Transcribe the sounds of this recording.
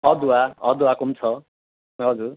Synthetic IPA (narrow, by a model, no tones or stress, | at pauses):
ɦʌd̪uwaɦʌd̪uakumt͡sʰʌ | ɦʌd͡zuɾ